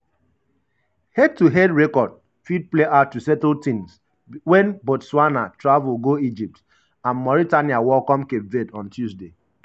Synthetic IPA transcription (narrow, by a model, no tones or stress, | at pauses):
hɛd̚tuɦɛdɹɛkɔd̚ | fid̚pleʔatusɛtltĩns | wɛ̃nbotswanatɹavulɡoid͡ʒip̚t | ãnmɔɹitaniawɔkɔ̃mkepvedɔ̃ntjuzde